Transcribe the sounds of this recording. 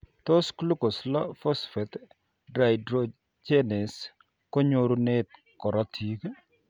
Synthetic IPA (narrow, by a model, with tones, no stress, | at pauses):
t̪o˦sklu˦ko˨slɔ˦fɔ˦sfe˨t̪ | dɾa˨jdɾo˨ | t͡ʃe˦nɪ˨s | ko˦ɲo˦ɾu˦ne˦t̪̚ | kɔ˨ɾɔ˦tʰi˦k